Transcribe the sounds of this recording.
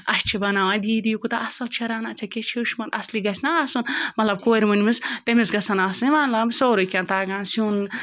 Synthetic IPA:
ɐʃt͡ʃʰibɐnaːʋãnd̪iːd̪ijukut̪ɐʔɐsɐlt͡ʃʰɐɾaːnat͡sʰɐkʲet͡ʃʰiuʃmɐnʔɐsliɡɐsnaːsunmɐt̪lɐb̚koːɾʲmɨnʲmist̪emisɡɐsɐnaːsɨmɐlɐbsoːɾokʲãnt̪aːɡaːnsun

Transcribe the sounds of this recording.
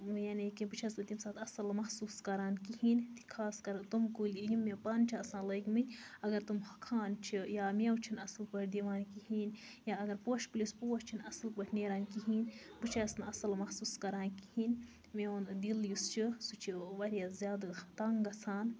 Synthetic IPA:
jaːnikibɨt͡ʃʰɐːsnt̪imsaːt̪ʰɐsɐlmɐhsuːskɐɾaːnkihint̪i̥kʰaːskɐɾt̪umkuːlijimːepɐːnt͡ʃʰaːsãːnlɐkmɨnʲɐɡɐɾt̪umhɐkʰaːnt͡ʃʰijaːmʲewt͡ʃʰinɐsɨlpɐʈd̪iʋaːnkiɦiːn | jaːɐɡɐɾpoːʃplʲispoːʃt͡ʃʰinɐslpɐʈʰneːɾaːnkiɦiːnbɨt͡ʃʰaːsnɐsɐlmɐhsuːskɐɾaːnkihin | meund̪iljust͡ʃʰisut͡ʃʰiʋɐɾʲjazʲjaːd̪ɨt̪ɐŋɡɐsaːn

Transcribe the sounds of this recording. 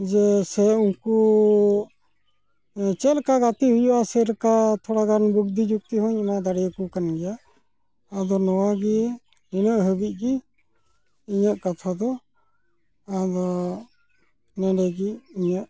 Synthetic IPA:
d͡ʒɛsɛuɲku | t͡ʃɛlkaɡat̪ihujuʔasɛɾkat̪ʰɔɽaɡanbuk̚d̪id͡ʒuk̚t̪iɦɔɲimad̪aɽɛjakukanɡɛja | ad̪ɔnɔwaɡi | inəʔɦəbic̚ˀɡi | ɲəʔkat̪ʰad̪ɔ | ad̪ɔ | nɛɖɛɡiiɲəʔ

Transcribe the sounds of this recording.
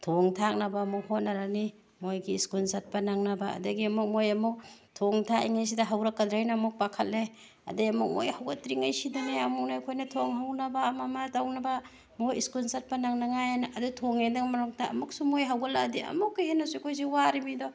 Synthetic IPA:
tʰoŋtʰak̚nɐbamukɦot̚nɐɾani | mojɡiːskulsat̚panaŋnabaɐ̰dɐɡiɐmuk̚mojɐmuk̚tʰoŋtʰakiŋajs̬idɐɦawɾakːɐd̪ɾajnamuk̚pakʰɐt̚le | ɐ̰daɐmuk̚mo̰jhawɡɐtɾiŋajsidaneɐmuk̚naakʰojnɐtʰoŋɦawnabaːmamatawnaba | mojiskulsat̚pɐnaŋnaŋajanaʔɐdutʰoŋediŋmaɾuk̚taɐmuk̚sumojɦawɡɐladiɐ̰mukːienasukʰojziwaɾimidɔ

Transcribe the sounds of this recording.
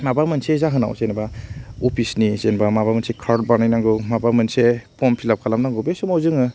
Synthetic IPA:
mabamɯnsezaɦɯna̰wzenbaɔpʰisnizenbamabamɯnsekʰaɾd̚baɾnajnaŋɡɯmabamɯnsepʰɔmpʰilap̚kʰalamnaŋɡɯbesumawzɯŋɯ

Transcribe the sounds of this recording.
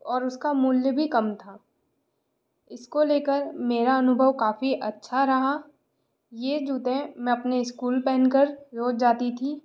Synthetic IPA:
ɔːɾʊskamʊljəbʱikɐmt̪ʰaː | ɪskoleːkəɾmeːɾaɐnʊbʱəʋkaːfiʔɐtːʃʰaɾɐɦa | jeːd͡ʒuːt̪ẽmɛ̃ɐpneɪskuːlpɛːnkəɾzoːt͡ʃd͡ʒaːt̪it̪ʰiː

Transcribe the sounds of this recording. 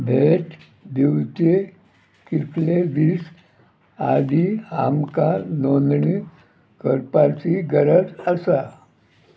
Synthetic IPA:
bʱeʈ | d̪iwt͡ɕe | kiɾkled̪iːs | ad̪ʱiamkanond̪ɳi | kəɾpat͡siɡəɾət͡səsa

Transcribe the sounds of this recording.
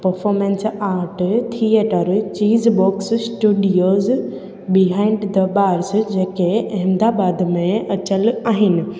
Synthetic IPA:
pəɾfʰɔɾmẽnsaːɾʈt̪ʰieːʈəɾt͡ɕiːzbɔkssʈuːɖijoːz | biɦaːɪ̃ɳɖd̪əbaːɾsd͡ʑeːkeɐɦɪmd̪aːbaːd̪mẽɐt͡ɕəlaːɦɪnɪ̆

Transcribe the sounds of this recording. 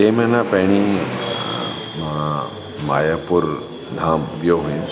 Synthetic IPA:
emɛ̃napɛɽ̃i | m | ma̰ːjapuɾ | d̪ʱaːmʋjoɦuin

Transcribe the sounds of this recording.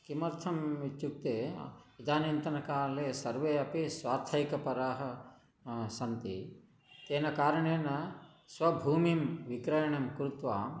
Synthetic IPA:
kimɐɾt̪ʰɐmʋit͡ʃjuk̚t̪eːid̪aːnint̪ɐnɐkaːleːsɐɾʋeːɐpisʋaːt̪ʰɐjkɐpɐɾaːɦɐ̆ | sɐnt̪i | t̪eːnɐkaːɾɐɳeːnɐ | swɐbʱuːmimʋikɾɐjɐɳemkɾut̪ʋaːm

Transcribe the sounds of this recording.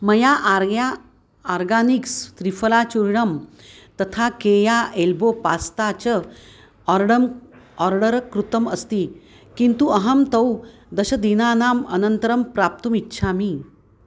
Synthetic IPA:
məjaʔɾja | ɔɾɡanikst̪ɾifəlat͡ɕuɾɳəm | t̪ət̪ʰakejaelbopast̪at͡ɕə | ɔɾɖəm | ɔɾɖəɾkɾut̪əməst̪iː | kint̪uəɦəmt̪əw | d̪əɕəd̪inanamənənt̪əɾəmpɾap̚t̪umitːɕʰamiː

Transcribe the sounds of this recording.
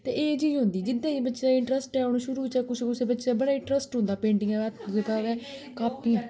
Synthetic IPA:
t̪eːʔeːt͡ʃiːd͡ʒɦʊ̃nd̪iːd͡ʒɪd̪ãːiːbətːʃaːɪɳʈɾəsʈɛːɽ̃ʃʊɾuːt͡ʃaːkʊskʊsebətːʃaːbəɽaːɪʈɾəsʈɦʊ̃nd̪aːpẽːɳʈɪŋɛ̃aekaɡɛːkaːpĩ

